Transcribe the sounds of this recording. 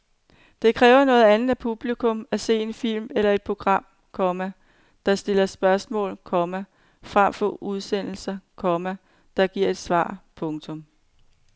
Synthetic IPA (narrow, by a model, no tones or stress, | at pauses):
d̥e̝kʰʁɛːʊɐnɔ̽ːð̩ˠænð̩ˠæpʰub̥likʰɔ̽mæse̝̰ːe̝nfil̰melɐe̝d̥̚pʰo̝ɡ̥ʁɑ̈m̰ | kʰɒ̽mæ | d̥ɑ̈sd̥e̝lɐsb̥ɶɐsmɔ̰̽ːlkʰɒ̽mæ | fʁam̰fɒ̽ʔuð̞ˠsen̰l̩sɐkʰɒ̽mæ | d̥ɑ̈ɡ̥iɐ̰e̝d̥sʋɑ̰̈ːpʰɔ̽ŋt͡sʰɔ̽m